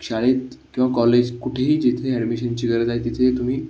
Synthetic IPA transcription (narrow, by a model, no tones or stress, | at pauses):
kɕaɭet̪kĩw̃ʋakɔled͡ʑkuʈʰeɦiːd͡ʑit̪ʰeeɖmiɕənt͡ɕiːɡəɾəd͡zajt̪ːit̪ʰet̪um̤iː